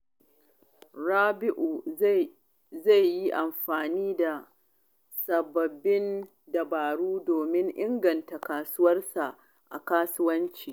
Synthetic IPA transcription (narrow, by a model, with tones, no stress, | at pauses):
ɽaː˦bɪ˦ʔu˨ | za˦˨jji˦ʔa˨mɸaː˨niː˦da˨ | sɐ˨bɐ˨bːɪ˦n | dɐ˨baː˨ɽuː˦doː˨mɪ˦ŋʔɪ˦ŋɡɐ˨nta˨kaː˨sʊ˦wɐ˦rsa˨ʔ | ʔa̰˨kaː˦sʊ˦wɐ˦nt͡ʃiː˨